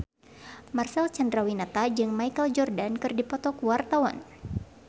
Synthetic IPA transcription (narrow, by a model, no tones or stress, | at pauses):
marsɛlt͡ʃandɾawinat̪ad͡ʒɨŋmajkəld͡ʒɔrdankɨrdipɔt̪ɔkuwart̪awan